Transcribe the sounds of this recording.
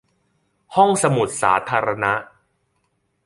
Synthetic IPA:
hɔ˥˩ŋsa˧mu˨˩t̪̚sa̰ː˩˦t̪ʰaː˧ɾa˧na˦˥ʔ

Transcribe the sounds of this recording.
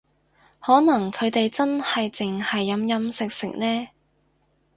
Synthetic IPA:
hɔː˨˥nɐ˨˩ŋkʰɵ˨˧ɥt̪e˨jt͡sɐ˥nhɐ˨jt͡sɪ˨ŋhɐ˨jːɐ˨˧mjɐ˨˧msɪ˨k̚sɪ̰˨˩k̚nɛː˥

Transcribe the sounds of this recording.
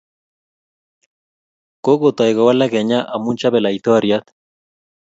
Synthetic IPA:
ko˦ɡo˨t̪a˨jɡɔ˨wa˦la˦kɛ˨ɲa˦ʔa˨mu˦nt͡ʃa˦bɛ˨la˨it̪ɔ˦ɾjat̪

